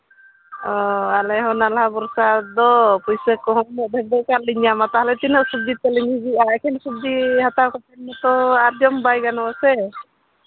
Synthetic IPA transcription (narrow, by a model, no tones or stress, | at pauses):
ɔalɛɦɔnalɦabɔɾsad̪ɔpɔjsɛkɔɦɔmɔd̪ʱɛɡ̚d̪ɔkaɾliɲamat̪aɦalɛt̪inɔsub̚d̪itɛliɲid͡ʒiaɛkʰɛnsub̚d̪iɦat̪awkɔt̪ɛnmɔt̪ɔaɾd͡ʒɔmbajɡanɔasɛ